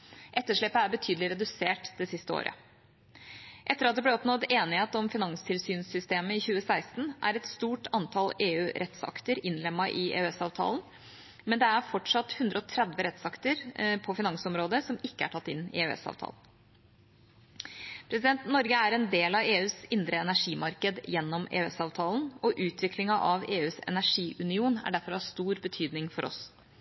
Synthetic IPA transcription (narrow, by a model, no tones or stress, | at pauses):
ʔɛt̪ːəʂɭɛpːəæɾbət̪ʰyːd̪lɪɾɛd̪ʉseːʈd̪ɛsɪst̪əo̰ːɾʔə̰ | ʔɛt̪ːəɾɑt̪d̪ɛblɛɔpnɔd̪eːnɪheːt̪ɔmfɪnɑŋst̪ʰɪlsyːnsʏst̪eːməɪçʉːəsæɪst̪n̩ʔæ̰ɾɛt̪st̪uːʈʰɑnt̪ʰɑleːʉːɾʔɛt̪sɑ̰kt̪əɾɪnlɛmːɑʔɪʔḛːʉɛsɑːʋt̪ʰɑ̰ːln | mɛnd̪ɛæɾfɔʈʂɑt̪ːhʉnd̪ɾəɔt̪ʰɾæd̪ʋəɾɛt̪sɑkt̪əɾpʰɔfɪnɑŋsɔmɾoːd̪əsɔmɪkːəæ̰ʈʰɑt̪ːɪnɪ̰eɛ̰sɑ̰ːʋt̪ʰɑ̰ːln | pʰɾɛsɪd̪ɛnt̪nɔɾɡəæɾɛnd̪eːlɑʋeːʉːsɪnd̪ɾəɛnæʂiːmɑɾkəd̪jɛnːɔmḛːʉɛsɑːʋt̪ʰɑːln̩ɔʔʉːt̪ʰʋɪklɪŋɑʔɑʋeːʉːsɛ̰næʂiːʔʉnɪuːnæ̰ɖæɾfɔɾɑst̪uːɾbət̪ʰyːd̪nɪŋfɔɾɔ̰s